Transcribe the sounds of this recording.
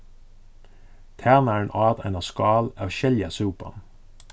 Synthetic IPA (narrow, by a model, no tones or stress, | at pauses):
t̪ʰæːʁnæːenʔɑːt̪æ̰nɑskɑːlɑːʋʃɛljɑsʉːpɑ̰n